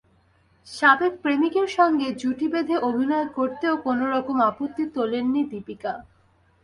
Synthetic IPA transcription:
ʃabek̚pɾemikeɾʃɔŋɡed͡ʑuʈibed̪ʱeʔobʱinɔekoɾt̪eokonoɾɔkomapot̪ːit̪olenːid̪ipika

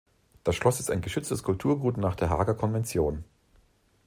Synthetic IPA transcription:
d̥asʃlɔsɪstaɪnɡəʃʏt͡stəskʰʊlptʰuːɐɡuːtnaːχd̥eːɐɦaːɡɐkʰɔnvɛnt͡sjoːn

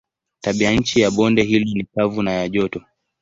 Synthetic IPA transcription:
taɓiaɲ̩t͡ʃijaɓɔndɛɦilɔnikavunajaʄɔtɔ

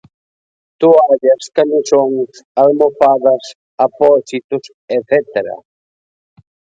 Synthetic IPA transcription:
t̪uaʎɐskamisoŋsalmofaðɐs | apɔsit̪ʊs | eθɛt̪eɾɐ̰

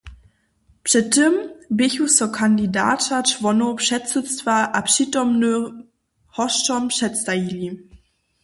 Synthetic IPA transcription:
pʂɛtːəmbɪçusɔkʰandida̰ːtat͡ʃvɔnopʃɛtsət͡stvaʔapʂiːtɔmnə | hɔʃtɔmpʂɛtstajili

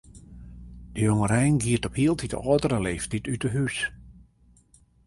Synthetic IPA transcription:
d̥əjoŋəɾɛjnɡiətɔphiəlˠtʰitəɔːtərəleːftitytəhys

